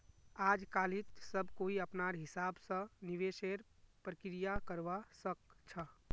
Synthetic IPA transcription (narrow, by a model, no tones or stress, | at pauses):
aːd͡ʒkaːlit̪səbkoiəpnaɾɦɪsaːbsə̃niʋeʃeɾpɾəkɾijakəɾʋasəkt͡ʃʰə